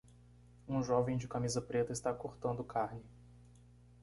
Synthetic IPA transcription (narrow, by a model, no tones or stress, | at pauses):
ũʒɔvẽj̃d͡ʒɪkamizɐpɾet̪ɐɪst̪akoɾt̪ɐ̃nd̪ʊkaɾnɪ